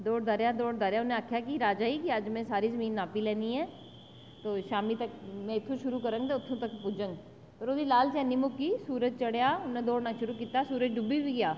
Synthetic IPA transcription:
d̪oːɽd̪aːɾjaːd̪oːɽd̪aːɾjaːʊnẽaːkʰjaːkɪɾaːd͡ʒaːiːkɪəd͡ʒmɛ̃ːsaːɾiːzəmiːnːaːpiːlɛ̃ːniːɛː | t̪oːʃaːmiːt̪əkmɛ̃ːɪt̪ʰːõːʃʊɾuːkəɾə̃ŋɡt̪eːʊt̪ʰːõːt̪əkpʊd͡ʒəŋɡ | pəɾoːd̪iːlaːlt͡ʃɛːniːmʊkːiːsuːɾəd͡ʒ̚t͡ʃəɽjaːʊnẽːd̪oːɽnãːʃʊɾuːkiːt̪aːsuːɾət͡ʃɖʊbiːbiːɡɪjaː

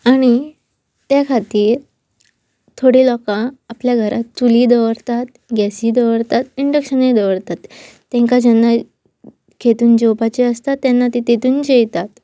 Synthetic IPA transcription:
aɽ̃i | t̪jakʰat̪iːɾ | t̪ʰoɽiːlɔkãapljaɡʱəɾʔat̪t͡suliːd̪əʋəɾt̪at̪ | ɡɛsiːd̪əʋəɾt̪at̪iɳɖəkɕəned̪əʋəɾt̪at̪ː | ɛ̃ŋkad͡ʑɛnːa | kʰet̪uːnd͡ʑowpat͡ɕiəst̪at̪ːjanːat̪it̪et̪uːnd͡ʑejt̪at̪

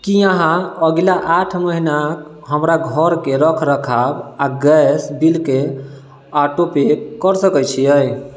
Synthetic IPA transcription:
kiãɦãəɡlaʔaʈʰməɦinak | ɦəmɾaɡʱəɾkeɾəkʰɾəkʰabaɡɛsbilke | aʈopek̚kəɾsəkəjt͡ʃʰiəj

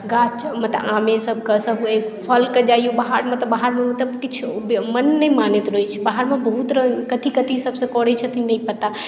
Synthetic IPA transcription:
ɡat͡ʃmət̪əãmesəb̚ʱkəsəɦuekpʰəlkəd͡ʒajubaɦaɾmet̪əbaɦaɾmẽmət̪ləbkɪt͡ʃʰbmənːəimanet̪ɾoit͡ʃʰibaɦaɾmebəɦut̪ɾəkət̪ʰikət̪ʰisəbsə̃kɔɽɛt͡ʃʰət̪ʰinəĩpət̪a

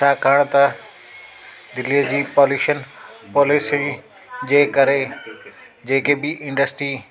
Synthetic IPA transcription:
aːkʰaɽ̃t̪ɐ | d̪ɪliəd͡ʑiːpɔːluːʃənpɔːlɪsi | d͡ʑeːkɐɾe | d͡ʑeːkebɪʔɪ̃ɳɖəsʈɾiː

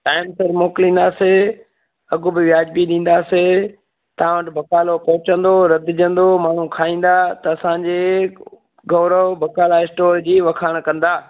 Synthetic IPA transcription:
ʈaːɪmsəɾmoːklĩn̆d̪aːse | ɐɡʊbɪʋjaːd͡ʑbiɗĩːn̆d̪aːse | t̪ɐãʋɐʈbʱɐkaːlopɐɦʊt͡ɕə̃nd̪oɾɐd̪ɪd͡ʑə̃nd̪omaːɳ̤ũkʰaːĩːn̆d̪at̪ɐːsãːɲd͡ʑe | ɡɐʋɾəʋbʱɐkaːlaɪsʈoːɾd͡ʑiːʋɐkʰaːɽ̃kɐ̃nd̪aː

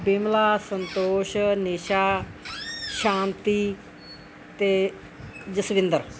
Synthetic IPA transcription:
bɪmlaːsənt̪oːʃneːʃaː | ʃaːnt̪iː | t̪eː | d͡ʒəsʋɪ̃nd̪əɾ

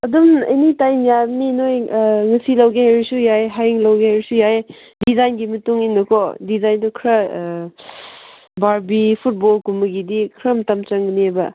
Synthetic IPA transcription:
ɐdumɐ̰jnitajmjabninojŋɐsilɐwɡeɦajɾusujajɦajŋlɐwɡeajɾisujaj | dizajnɡimɐtuŋinːɐkʰɔdizajndukʰɾɐ | baɾbipʰut̚bolkumɐɡidikʰɾɐmtɐmt͡ʃɐŋɡnebɐ

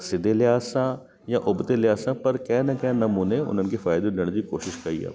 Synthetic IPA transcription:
sɪd̪elɪjaːsã | jãʔʊbd̪elɪjaːsãːpɐɾkɛ̃ːnɐkɛ̃ːnɐmuːneʊ̰n̤ənkefaːjd̪ed̪eːɽ̃d͡ʑiːkoːʃɪʃkɐḭːɛ̰ː

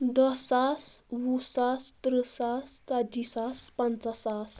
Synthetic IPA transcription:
d̪ɔsaswusast̪ɾəsast͡sad͡ʑisaspant͡sasas

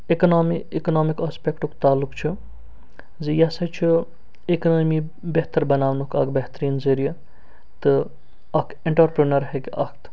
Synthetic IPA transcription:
eknoːmiekɐnoːmikaːspekʈukt̪aːlːukt͡ʃʰu | zijɐsɐt͡ʃʰi | eknoːmi | beɦt̪ɐɾbɐnaːʋnukɐ̰ɡbɐɦt̪ɾiːnzɐɾijɐ | t̪ɨ | ɐk | eɳʈɐɾpɾinɐɾɦekɐkʰt̪ʰ

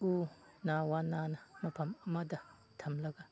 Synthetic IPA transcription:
u | nawananɐmɐpʰɐmɐmadɐ | tʰɐmlɐɡa

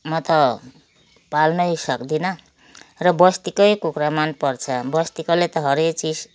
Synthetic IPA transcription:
mʌt̪ʌ | palnʌjsʌkd̪inʌ | rʌbʌst̪ikʌjkukramanpʌrt͡sʰʌbʌst̪ikʌlet̪ʌɦʌɾek̚t͡sis

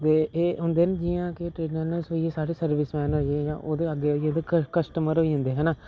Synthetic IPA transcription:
t̪eːeːɦʊnd̪eːned͡ʒɪjãːkeʈɾeːɖnɛːnəlsɦoːieːsaːɽeːsəɾʋɪsmɛ̃ːnɦoːiejã̰ːʔoːd̪eːəɡːeːoioːd̪eːkəkəsʈəməɾɦoːiːɦʊ̃nd̪eːɦɛːnaː

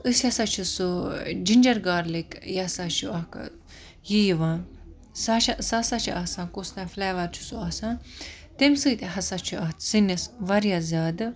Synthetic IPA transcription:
ɨsjɐsat͡ʃʰusud͡ʒinʲd͡ʒɐɾɡaːɾlikjɐsat͡ʃʰuɐɦka̰ | jijiʋãː | saʃasasat͡ʃʰiʔaːsãːnkost̪ãflɛːʋɐɾt͡ʃʰu̥suaːsãː | t̪emsɨt̪eɦɐsat͡ʃʰuɐt̪sinisʋɐɾjaːzʲaːd̪ɨ

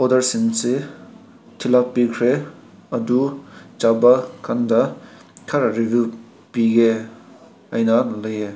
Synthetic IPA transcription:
ɔdɐɾsinse | tʰilak̚pikʰɾe | ɐdut͡ʃabakʰandɐkʰɐɾaɾibju | piɡe | ɐjnɐlɐje

